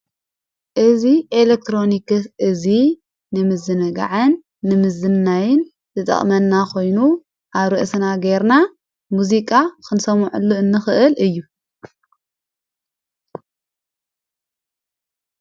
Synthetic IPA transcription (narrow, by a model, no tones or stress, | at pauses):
ʔɨziʔelek̚t̪ʰɾo̞nikɨsʔɨzi | nɨmɨzɨnɨɡa̰ʕɨnː | ɨmɨzɨnːajɪn | zɨt̪ʼɐ̰χʼmɐnːakʰo̞jnu | ʔaβɾɨʔsnaɡeɾna | muzikʼakɨnsɐmʕṵlːuɨnːɨxɨʔɨlʔɨjːu